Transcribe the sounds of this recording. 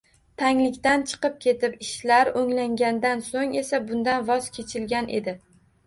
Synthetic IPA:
t̪ʰaŋlɪkʲt̪ant͡ʃʰɨ̥qɨp̚kʲʰe̞t̪ʰɪpɪʃlaɾoŋlaŋɡʲand̪ansoŋe̞sabʊnd̪anvɒzkʲʰe̞t͡ʃʰɪlɡʲanʔe̞̰d̪ɪ

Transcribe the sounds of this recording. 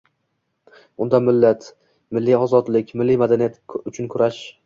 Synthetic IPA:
ʊnd̪amɪlːat̪ | mɪlːiɒzɒd̪lɪkʲmɪlːijmad̪anijat̪ʊt͡ʃʰʊnkʰʊɾaʃ

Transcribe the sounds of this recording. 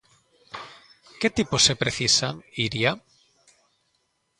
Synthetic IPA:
ket̪iposepɾeθisaŋiɾia

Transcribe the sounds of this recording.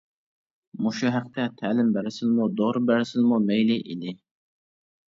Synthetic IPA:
muʃuɦæq̚t̪ʰɛt̪ʰælɪmbæɾɪsɪzmud̪oɾbæɾɪsɪzmumɛjlɪʔid̪ɪ

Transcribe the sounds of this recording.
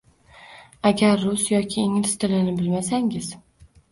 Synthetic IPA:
aɡʲaɾːʊsjɒkʲʰɪːŋlɪst̪ʰɪlɪnɪbɪlmasaŋʲɪz̥

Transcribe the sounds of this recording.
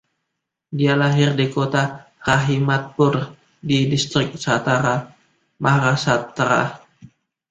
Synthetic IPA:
dialaɦɪrdikot̪a | raɦimat̪̚pʊr | didist̪ɾɪk̚sat̪aɾa | maɦɾasat̪ːɾa̰

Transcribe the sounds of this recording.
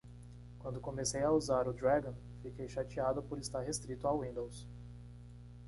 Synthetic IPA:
kwɐ̃nd̪ʊkõmesejauzaɾʊd̪ɾaɡõ | fikejʃat͡ʃiad̪ʊpoɾist̪aɾɦest̪ɾit̪ʊawĩnd̪ows

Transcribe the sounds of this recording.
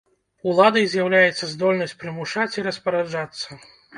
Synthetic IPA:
ulˠad̪ɐjzʲjawlʲajɛt̪sɐzd̪ɔlʲnɐsʲt͡sʲpɾɨmuʂat͡sʲiɾɐspɐɾad͡ʐat̪sːɐ

